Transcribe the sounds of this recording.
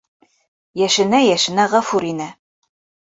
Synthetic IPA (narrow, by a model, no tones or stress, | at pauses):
jæʃɘ̆næjæʃɘ̆næʁɑfuɾinɘ